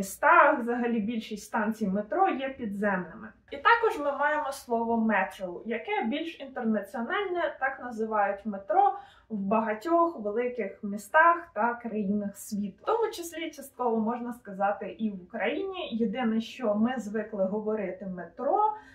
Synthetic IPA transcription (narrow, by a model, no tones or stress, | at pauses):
ist̪ɑʋzɐɦɐlʲibʲilʲʃisʲtʲst̪ɑnʲt͡sʲijmet̪ɾɔjɛpʲid̪zɛmnɪmɪ | it̪ɑkɔʒmɪmɑjemɔslˠɔʋɔmɛt̪ɾɔlˠjɐkɛbʲilʲʃint̪ernɐt͡sʲiɔnɑlʲnʲɛt̪ɑknɐzɪʋɑjʊtʲmet̪ɾɔ | wbɐɦɐtʲɔxʋelˠɪkɪxmʲist̪ɑxt̪ɐkɾɐjinɪxsʲʋʲit̪t̪ɔmʊt͡ʃɪsʲlʲit͡ʃɐst̪̚kɔʋɔmɔʒnɐskɐzɑt̪ɪʔiʋʊkɾɐjinʲijed̪ɪnɛʃt͡ʃɔmɪzʋɪklˠɪɦɔʋɔɾɪt̪ɪmet̪ɾɔ